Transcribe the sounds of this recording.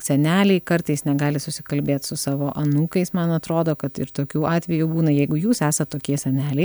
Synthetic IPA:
sʲɛnʲæːlʲɛɪkɐɾt̪ɐɪsnʲɛɡɑːlʲɪsʊsʲɪkɐlʲbʲeːt̪sʊsɑːʋoːʔɐnuːkɐɪsmɐnɐt̪ɾoːd̪oːkɐt̪ɪ̰ɾt̪oːkʲuːʔɑːt̪ʲʋʲɛjubuːnɐjɛɪɡʊjuːsæːsɐt̪toːkʲiɛsʲɛnʲæːlʲɛɪ

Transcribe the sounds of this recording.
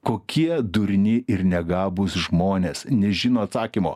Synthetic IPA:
koːkʲʰiɛd̪ʊɾʲnʲɪʔɪɾnʲɛɡɑːbʊsʒmoːnʲeːsnʲɛʒʲɪnoːɐt̪sɑːkʲiːmo̰ː

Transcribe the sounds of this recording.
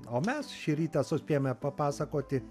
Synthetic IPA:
oːmʲɛsʃʲɪɾʲiːt̪ɛsʊsʲpʲejomʲɛpɐpɑːsɐkoːt̪ʲɪ

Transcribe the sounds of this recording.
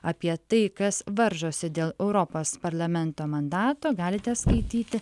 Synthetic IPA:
ɐpʲiɛt̪ɐɪkɐsʋɐɾʒoːsʲɪd̪ʲeːlˠɛʊɾɔpoːspɐɾlˠɐmʲɛnt̪oːmɐnd̪ɑːt̪oːɡɑːlʲɪt̪ʲɛskɐɪt̪ʲiːt̪ʲɪ

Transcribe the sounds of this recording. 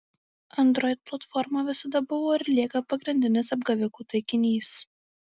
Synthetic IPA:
ɐnd̪ɾɔɪt̪̚plˠɐt̪fɔɾmɐʋʲɪsɐd̪ɐbʊʋoːɪɾʲlʲiɛkɐpɐɡɾʲɪnʲd̪ʲɪnʲɪsɐbɡɐʋʲɪkuːt̪ɐɪkʲɪnʲiːs

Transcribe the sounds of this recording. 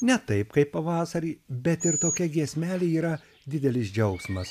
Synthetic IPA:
nʲɛt̪ɐɪpkɐɪppɐʋɑːsɐɾʲiːbʲɛt̪ɪɾt̪oːkʲɛɡʲiɛsʲmʲæːlʲeiːɾɐ | d̪ʲɪd̪ʲɛlʲɪsd͡ʒʲɛʊksmɐs

